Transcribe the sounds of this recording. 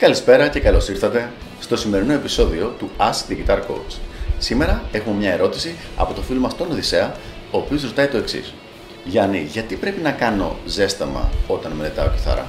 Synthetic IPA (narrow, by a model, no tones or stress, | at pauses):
kɐlispe̞ɾɐce̞kɐlo̞siɾθɐt̪e̞ | st̪o̞sime̞ɾino̞e̞piso̞ðio̞t̪uɐsðiʝit̪ɐɾko̞̰wt͡ssime̞ɾɐe̞xumemɲɐe̞ɾo̞t̪isiɐ̰po̞t̪o̞filmɐst̪o̞noðise̞ɐ | o̞ːpio̞zɾot̪ɐit̪o̞e̞ksḭs | ʝɐniʝɐt̪ipɾe̞pinɐkɐno̞̰ze̞st̪ɐmɐ̰o̞t̪ɐnmenet̪ɐoci̥θɐ̰ɾɐ̰